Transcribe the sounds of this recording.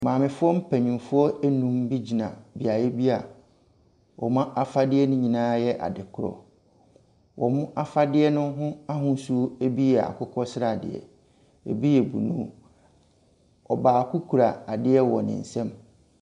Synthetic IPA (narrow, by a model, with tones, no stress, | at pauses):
mãː˨mɪ̃˨fʊ˦ɔ˦m̩˦pʰæ˨ɲĩ˨m˨fʊ˦ɔ˦e˦nũ˦mbi˦d͡ʑi˨nã̰˨bi˨a˨jɛ˦bi˦a˨ | wɔ̰˨mã˦ʔa˦fa˦dɪ˦ɛ˦nʊ̃˦ɲĩ˨nãː˦jɛ˦ʔa̰˨dɪ˨kʰʊ˨ɾɔ̰˨ | wʔɔ˨mʊ̃˦ʔa˦fa˦dɪ˦ɛ˦nʊ̃˦ɦʊ̃˦a˦ɦʊ̃˦su˦o˦e˦bi˦jɛ˨a̰˨kʰʊ˦kʰɔ˦sɪ˦ɾa˨dɪ̰˨ɛ̰˨ | ḛ˨bi˦jɛ˨bṵ˨nṵ̃˦ | ɔ̰˨baː˨kʰu˦kʰu˨ɾa˨a˨dɪ˦ɛ˦wɔ˨nɪ̰̃˨n̩˨sɛ̃˦m